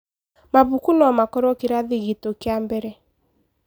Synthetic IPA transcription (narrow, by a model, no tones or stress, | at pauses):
maβukunɔmakɔɾɔkeɾaðeɣitokjambɛɾɛ